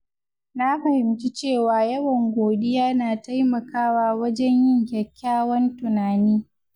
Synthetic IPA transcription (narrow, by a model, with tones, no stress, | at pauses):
na˦ɸɐ˨hɪ˨mt͡ʃi˦t͡ʃeː˦˨waː˨jɐ˦wɐ˨ŋɡʷoː˨ɗɪ˦jaː˦naː˨ta˦jmɐ˨kaː˦waː˨wɐ˦d͡ʒɛ˦ɲjɪ˦ŋkʲɛ˨kʲːaː˦wɐ˦ntʊ˨naː˨niː˦